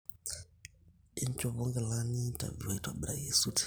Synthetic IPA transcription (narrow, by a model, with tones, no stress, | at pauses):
i˦n˦t͡ʃo˨βo˦ŋɡe˨la˦ni˦ta̰˨vi˨wa˨i˦twa˨bi˨ɾa˨je˦su˦ti̥